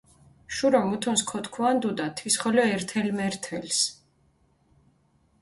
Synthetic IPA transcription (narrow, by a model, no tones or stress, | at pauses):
ʃuɾɔmut̪ʰɔnskʰɔt̪ʰkʰuand̪ud̪at̪ʰwisχɔlɔɛɾt̪ʰɛlmɛɾt̪ʰɛls